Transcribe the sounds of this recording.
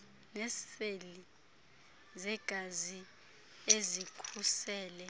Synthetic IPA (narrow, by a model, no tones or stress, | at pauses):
nɛsfeli | zɛɡ̥ʱazi | ezikʰusɛːlɛ